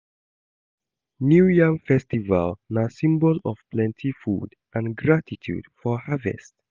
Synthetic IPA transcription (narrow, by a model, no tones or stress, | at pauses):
njujãŋfɛstiva̰lnasĩmbɔlɔ̰v̥plɛ̃ntʰifṵd | ʔãnɡɹatitʰjṵd̥fɔhavɛ̰st